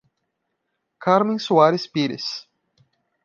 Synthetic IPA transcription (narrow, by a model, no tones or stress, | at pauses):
kaɾmẽsuaɾɪspiɾɪ̰s